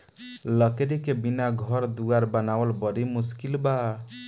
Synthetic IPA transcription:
ləkɾikebinaɡʱʌɾd̪uaɾbənawəlbəɾimuskilba

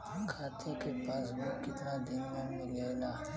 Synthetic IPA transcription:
kʰaːt̪ʰẽkepaːsbokɪt̪nad̪ɪnmẽmɪleːlaː

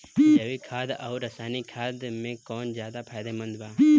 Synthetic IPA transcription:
d͡ʒɐʋikʰaːd̪ɔːɾːɐsaːnikʰaːd̪mẽkɔːnzjaːd̪apʰaːjd̪emə̃nd̪baː

